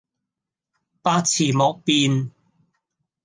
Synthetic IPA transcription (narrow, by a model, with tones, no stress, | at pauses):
paː˧t͡sʰiː˨˩mɔː˨˧k̚piː˧n